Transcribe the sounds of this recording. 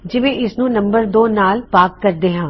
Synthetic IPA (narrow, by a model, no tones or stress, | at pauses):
d͡ʒɪʋẽʔɪsnũːnɐ̃mbəɾd̪oːnaːlpaːkːɐɾd̪eːɦãː